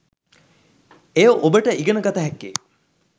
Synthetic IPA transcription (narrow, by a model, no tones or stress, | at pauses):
ejoʔobəʈəʔiɡənəɡat̪əɦɛkːḛ